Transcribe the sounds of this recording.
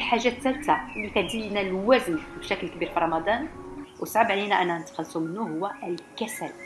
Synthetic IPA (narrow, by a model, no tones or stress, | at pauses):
lħaʒːæt̪ːælt̪alːik̪æd̪ilnælwæznbʃæklkbiɾfiɾˤɑmɑd̪ˤɑnwəsˤʕəbʕlinæʔænːænət̪ːxɑlːsˤumənːuhʊwːælkæsæl